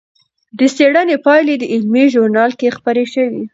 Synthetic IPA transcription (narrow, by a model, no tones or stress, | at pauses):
d̪əseɽanepɑjled̪əɪlmiʒʊɾnɑlkexpaɾeʃəwḭ